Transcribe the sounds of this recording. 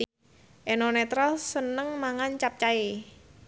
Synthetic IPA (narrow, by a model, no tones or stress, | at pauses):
ʔenonɛt̪ɾalsənəŋmaŋant͡ʃap̚t͡ʃae